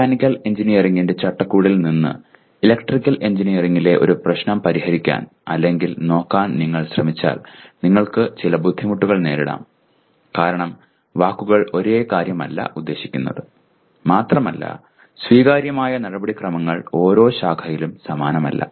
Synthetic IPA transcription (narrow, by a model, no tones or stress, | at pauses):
kanikʲːɐle̞ɲd͡ʑinijɐriŋːinde̞t͡ɕɐʈːɐkːuːɽilninːɨ̰ | ilekʈrikʲːɐle̞ɲd͡ʑinijɐriŋːile̞ʔo̞̰ɾuprɐɕnɐmpɐɾihɐɾikʲːa̰ːn | ɐ̰lːe̞ŋɡilno̞ːkːaːnniŋːɐɭɕrɐmit͡ɕːa̰ːlniŋːɐɭkɨt͡ɕilɐbud̪ʱːimuʈːuɣɐɭne̞ːɾiɽa̰ːm | kaːɾɐɳɐm | ʋaːkːuɣɐɭo̞ɾe̞ːkaːɾjɐmɐ̰lːɐ̰ʔud̪ːe̞ːɕi̥kʲːunːɐ̰ðɨ | maːt̪rɐmɐlːɐ̰ | sʋiːɣaːɾjɐmaːjɐnɐɽɐbɐɽikrɐmɐŋːɐɭo̞ːɾo̞ːɕaːkʰɐjilumsɐmaːnɐmɐ̰lːɐ̰